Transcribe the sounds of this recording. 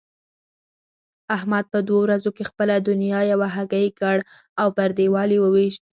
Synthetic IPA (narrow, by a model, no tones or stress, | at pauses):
ahmad̪̚pəd̪wowɾazokexpəlad̪ʊnijɑjawaɦaɡajkəɽ | awpaɾd̪ewɑliwəweʃt̪̚